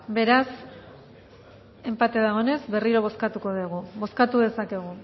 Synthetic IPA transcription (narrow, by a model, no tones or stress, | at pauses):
be̞ɾas | e̞mpat̪eðaɣo̞ne̞zbe̞riɾo̞β̞o̞skat̪uko̞ðeɣ̞uβo̞skat̪uðe̞sake̞ɣ̞u